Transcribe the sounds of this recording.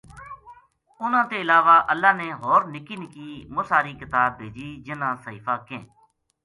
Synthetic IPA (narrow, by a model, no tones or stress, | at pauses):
ʊnãːt̪eːɪlaːʋaːʔəlːaːneːɦoːɾnɪkiːnɪkiːmʊsaːɾiːkɪt̪aːb̚ʱːeːd͡ʒiːd͡ʒɪnãːsəiːfaːkẽː